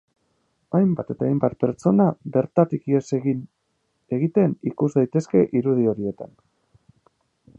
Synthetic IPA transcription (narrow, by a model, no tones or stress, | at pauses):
ajmbat̪e̞t̪aejmbat̪̚pe̞ɾt͡ʃo̞nabe̞ɾt̪at̪ikiesn | e̞ɣit̪e̞nikuzd̪ajt̪e̞ske̞ʔiɾuð̞io̞ɾie̞t̪a̰n